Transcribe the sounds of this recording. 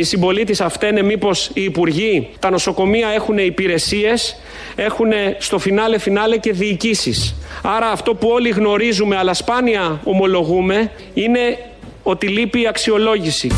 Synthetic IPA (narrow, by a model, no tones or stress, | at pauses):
isimbo̞lit̪isɐft̪ene̞mipo̞siːpuɾʝit̪ɐno̞so̞ko̞miɐe̞xune̞ipiɾe̞sie̞s | e̞xune̞st̪o̞finɐle̞finɐle̞ce̞ðiːcisisɐɾɐːft̪o̞puo̞liɣno̞ɾizume̞ɐlɐspɐniɐo̞mo̞lo̞ɣume̞ | ine̞ | o̞t̪ilipiːɐksio̞lo̞ʝisi